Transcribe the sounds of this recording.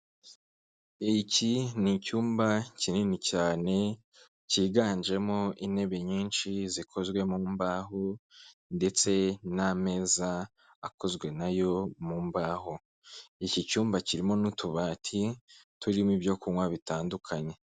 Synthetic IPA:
icinicuːmbacininicaːne̞ | ciːɡaːnd͡ʒe̞mo̞ine̞βe̞ɲiːnʃizikʰo̞zɡwe̞muːmbaːɦonde̞t͡se̞name̞ːzaː | ko̞zɡwe̞najo̞muːmbaːɦo | icicuːmbaciɾimo̞nutʰuβaːtʰituɾimibjo̞kuwaβitaːndukʰaɲe̞

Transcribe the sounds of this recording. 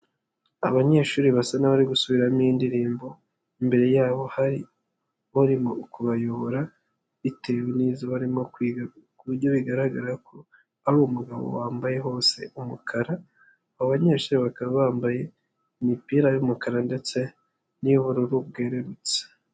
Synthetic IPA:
a̰βaɲe̞ʃuːɾiβasanaβaɾiɡusuβiɾamiːndiɾiːmbo̞ | imbe̞ɾe̞jaːβo̞haɾi | βuɾimokuβajoβoɾa | itewiniːzaβaɾimo | kuβuɾɟo̞βiɡaɾaɡaɾakʰo | aɾomuɡaβo̰waːmbaje̞ɦo̞ːse̞umukʰaɾa | aaβaɲe̞ːʃuːɾiβakaβaβaːmbaje̞ | imipiːɾajumukaɾande̞t͡se̞ | niβuɾuɾub̚ɡeːɾeɾut͡se̥

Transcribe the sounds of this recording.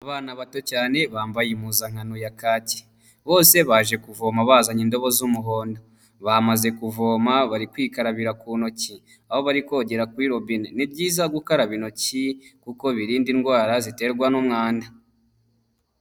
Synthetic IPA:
aβaːnaβato̞caːne̞βaːmbajimuzaŋ̥hanojakaːci̥ | βo̞ːse̞βaʒe̞kuvo̞ːmaβaːzaɲindo̞βo̞zumuɦo̞ːndo | βamaze̞kuvo̞ːmaβaɾikwiːkaɾaβiɾakuno̞ci | aho̞βaɾiko̞ːɟe̞ɾakwiɾo̞binnib̚ɟiːzaɡukaɾaβino̞cikuko̞βiɾiːndinɡwaːɾazite̞ɾɡwanumŋaːnda

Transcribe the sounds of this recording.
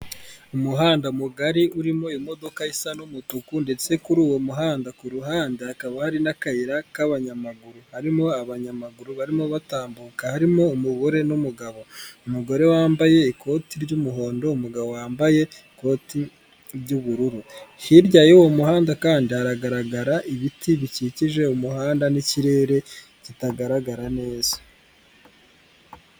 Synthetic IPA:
umuɦaːndamuɡaɾiʔuɾimo̞imo̞do̞kaisanomutukunde̞t͡se̞kuɾuːwomuɦaːndakuɾuɦaːndeːkaβahaɾinakaiɾakaβaɲamaɡuɾuhaɾimo̞aβaɲamaɡuɾuβaɾimo̞βataːmbukahaɾimo̞ːmuɡo̞ɾe̞numuɡaβo̞umuɡo̞ɾe̞waːmbaje̞iko̞tiɾɟumuɦo̞ːndo̞umuɡaβo̞waːmbaje̞ | ko̞ti | ɾɟuβuɾuɾuhiɾɟajewoumuhaːndakaːndiaɾaɡaɾaɡaɾaʔiβitiβiciciʒe̞umuhaːndaniciɾe̞ːɾe̞ | citaɡaɾaɡaɾane̞ːz̥ḁ

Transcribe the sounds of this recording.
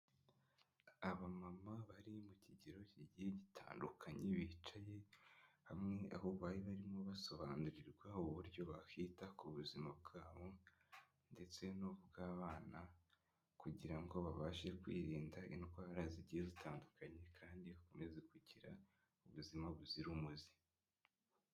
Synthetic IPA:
aβamamaβaɾimuciɟeɾo̞ciɟijeɟitʰa̰ːndukʰaɲeβiːt͡ʃaje̞hamŋe̞a̰hoβaːjiβaɾimo̞βaso̞βaːnuɾiɾɡwauβuɾɟo̞βahitakuβuzimabɡaːβo̞ | nde̞t͡se̞nuβuβbɡaːβaːna | kuɟiɾaŋɡo̞βaβaːʃe̞kwḭːɾiːndaḭnokaβaɾaziɟijezitaːndukaɲe̞kʰaːndiakume̞zekuɟiɾa | uβuzimaβuziɾumuzi̥

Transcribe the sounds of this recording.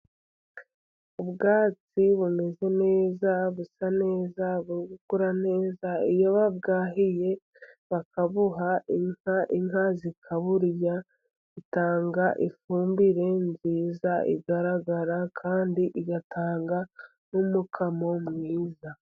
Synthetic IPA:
ubɡaːt͡siβume̞ze̞ne̞ːzaβusane̞ːzaβuɾiɡukuɾane̞ːzaijoβabɡaːɦije̞ | βakaβuɦaiŋaʔiŋɦazikʰaβuɾja | itaːŋɡaʔifuːmbiɾe̞nziːzaʔḭɡaɾaɡaɾakʰaːndiʔiɡatʰaːŋɡa | numukʰamo̞mŋiːza

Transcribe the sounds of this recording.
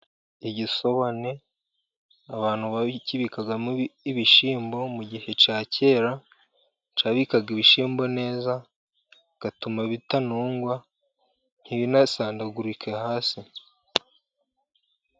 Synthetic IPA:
iɟiso̞βane̞ | aβaːn̥huβaciβikaɡamiβiʃiːmbo̞muɟihe̞t͡ʃaːce̞ːɾa | t͡ʃaːβikaɡiβiʃiːmbo̞ne̞ːza | ɡ̥atumaβitanuːŋɡwa | n̥hiβinasaːndaɡuɾikʰe̞haːsi

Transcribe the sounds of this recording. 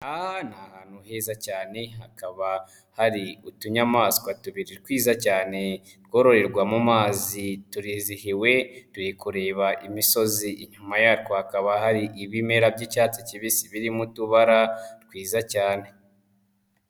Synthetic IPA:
ahanahaːn̥huhe̞ːzacaːne̞ɦakaβa | haɾiutuɲamaːsi̥kwatuβiɾiɾkwiːzacaːne̞ | ɾɡo̞ɾo̞ɾe̞ɾɡwamumaːzituɾizihiwe̞tuɾikuɾe̞ːβaʔimiso̞ziʔiɲumajaɾkohakaβahaɾiʔiβime̞ɾabɟicaːt͡siciβisiβiɾimutuβaɾatkwiːzacaːne̞

